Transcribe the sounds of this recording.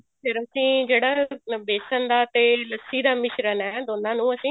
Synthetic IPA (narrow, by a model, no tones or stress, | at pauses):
pʰɪɾəsĩːd͡ʒeːɽaːbeːsənd̪aːt̪eːləsːiːd̪aːmɪʃɾənɛːd̪oːnãːnũːəsĩː